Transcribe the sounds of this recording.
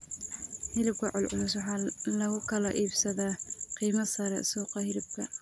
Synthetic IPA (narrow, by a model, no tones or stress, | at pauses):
hɪlɪb̚kʰɐʕʊlʕʊlʊs̬wɑħɑːlɐɣʊkʰɐlɐʔiːbsɐðaːqiːmɐsɐɾɛ̰suːqɑhɪlɪb̚kʰɐ̰